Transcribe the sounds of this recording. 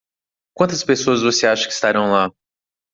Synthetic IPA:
kʷwɐ̃nt̪ɐspesoɐzvoseaʃɐ̥kɪi̥st̪aɾɐ̃w̃la

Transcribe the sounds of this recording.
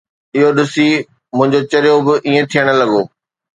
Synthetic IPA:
ɪɦoɗɪsi | mʊ̃ɦɪ̃ɲd͡ʑot͡ɕɐɾɪjobɪʔiːẽt̪ʰijəɽ̃ə̆lɐɠoː

